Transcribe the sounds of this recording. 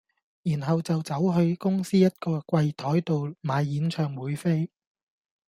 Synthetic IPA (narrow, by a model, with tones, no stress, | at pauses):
jiː˨˩nɦɐ˨wt͡sɐ˨wt͡sɐ˨˥wɦɵ˧ɥkʊ˥ŋsiː˥jɐ˥t̚kɔː˧kʷɐ˧jt̪ʰɔː˨˥jt̪o˨wmaː˨˧jːiː˨˥nt͡ʃʰœː˨ŋwuː˨˥jfe˥j